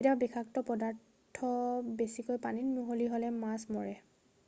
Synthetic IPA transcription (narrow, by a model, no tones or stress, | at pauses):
tabɛkʰaktɔpɔdaɹ | tʰːɔbesikojpaninmuɦoliɦolɛmasmɔɹɛ